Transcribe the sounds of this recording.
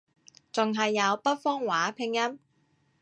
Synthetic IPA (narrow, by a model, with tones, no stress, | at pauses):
t͡sʊ˨ŋɦɐ˨jːɐ˨˧wpɐ˥t̚fɔː˥ŋwaː˨˥pʰɪ˧ŋjɐ˥m